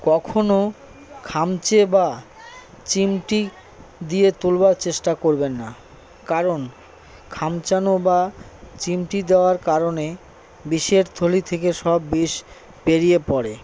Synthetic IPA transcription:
kɔkʰono | kʰamt͡ɕeba | t͡ɕimʈi | d̪iet̪ulbaɾt͡ɕeʃʈakoɾbenːa | kaɾon | kʰamt͡ɕanobat͡ɕimʈid̪eoaɾkaɾone | biʃeɾt̪ʰolit̪ʰekeʃɔbːiʃ | peɾijepɔɾe

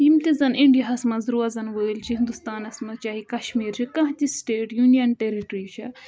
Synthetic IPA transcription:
jimt̪izɐniɳɖijɐɦɐsmɐzɾuɐzɐnʋəːlt͡ʃʰiɦind̪ust̪aːnɐsmɐt͡ʃaːɦikɐʃmiːɾt͡ʃʰikɐ̃ɦt̪isʈeːʈjunijɐnʈeɾiʈɾit͡ʃʰɐ

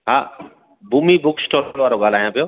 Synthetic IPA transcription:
ɦa̰ː | buːmibʊksʈʰoːlʋaːɾoɡaːl̤aːjõpɪjoː

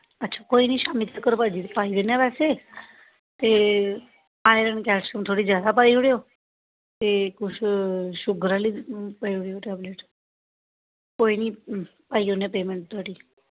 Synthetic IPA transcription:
ətːt͡ʃʰḁkoiniʃamit̪ʰəkəɾpad͡ʒit̪pajʋenepɛse | t̪e | pajɾəɳkɛʃumt̪ʰoɽid͡ʒjad̪apajʋɽjo | t̪ekut͡ʃʰʃʊɡɾalipajɽjoʈɛbleʈ | koinipajjonepemeɳʈ̚d̪ʱɔɽi

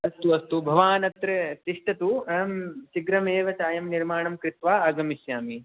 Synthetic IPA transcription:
ɐst̪uɐst̪ubʱɐʋaːnɐt̪ɾɐt̪iʂʈɐt̪umt͡ʃiɡɾɐmeːʋɐt͡ʃaːjɐmniɾmaːɳɐmkɾɪt̪ʋaːaːɡɐmisjaːmi

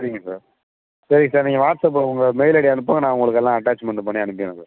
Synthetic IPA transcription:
sɐɾɪŋɡɐsa̰ːɾ | sɐɾɪŋɡɐsaːɾnɪːŋɡɐʋaːʈsɐp̬ːʊŋɡɐmɛɪlɐɽiɐnɯpːaːŋɡɐnãːʊŋɡɐɭɯkːɛlːãːɐʈːaːt͡ʃmɐɳɖɯpɐɳːiɐnɯpːɪjɐnɐ̃saːɾ

